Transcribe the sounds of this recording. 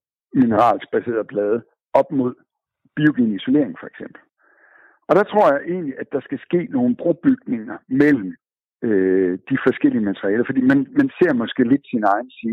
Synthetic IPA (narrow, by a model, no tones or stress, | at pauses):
minəʁɑ̰̈ːls̚b̥æse̝̰ːɐðˠb̥lɛːð̞ˠə | ɒ̽b̥mo̝ð̞̰ˠ | b̥io̝ɡ̥e̝niso̝le̝ɐ̰eŋ̩fɒ̽eɡ̥sem̰b̥l̩ | ɒ̽ɾ̥ɑ̈t͡sʰʁo̝ɐ̰jɑ̈ɪʔe̝ːnliʔæd̥ɑ̈sɡ̥æsɡ̥e̝̰ːno̝ːn̩b̥ʁo̝b̥yɡ̥̚ne̝ŋɐmel̰m̩ | ød̥ifɒ̽sɡ̥el̰iəmæt͡sʰəʁiɛːlɐfɒ̽d̥ḭːmænmænse̝ɐ̰mɒ̽sɡ̥e̝̰ːle̝d̥sinɑ̈ɪn̩siː